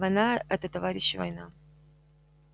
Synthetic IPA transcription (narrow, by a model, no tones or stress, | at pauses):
vɐjnaɛt̪ət̪ɐvaɾʲɪɕːɪvɐ̰jna